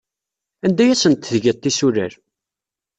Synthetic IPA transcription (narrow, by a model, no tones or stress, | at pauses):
ænd̪æjæsənt̪ːðʝət̪ˤːisuɾə̰ɾ